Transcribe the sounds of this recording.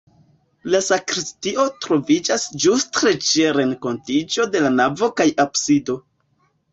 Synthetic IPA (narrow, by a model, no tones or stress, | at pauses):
lasakɾistio̞tɾo̞vid͡ʒasd͡ʒustɾet͡ʃiaɾe̞ŋko̞ntid͡ʒo̞de̞lanavo̞kajabsido̞